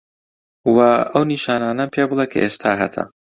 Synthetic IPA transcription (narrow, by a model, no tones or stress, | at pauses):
wɐɐwniʃaːnaːnɐpʰebɨlˠekʰɐ̰ʔeːst̪ʰaːɦɐ̰t̪ʰɐ̰